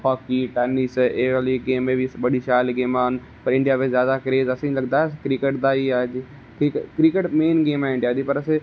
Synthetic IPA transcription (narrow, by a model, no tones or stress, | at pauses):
pʰaːkiʈɛːniseːɾəliɡeːmːẽbisɓɐɗiʃaːliɡeːmaːɦənɪ̆ | pɐɾɪ̃ɳɖijaːbezjaːd̪akɾeːzɐsĩlɐɡd̪aːɦeskɾikeʈd̪aiai | kikkɾikeʈmeːnɡeːmaːɦɪ̃ɳɖiaːd̪ipɐɾɐse